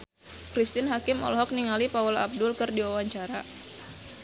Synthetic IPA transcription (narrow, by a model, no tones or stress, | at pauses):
kɾist̪ɪnɦakɪmɔ̰lɦɔk̚niŋalipaula̰b̚dʊlkɨrdiwawaɲt͡ʃaɾa